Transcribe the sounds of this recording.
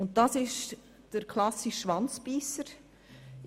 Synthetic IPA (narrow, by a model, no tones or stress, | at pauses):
ʊnt̚dɑsɪʃ | d̥əɾkʰlɑsiʃːʋɑnt͡spiːsəɾ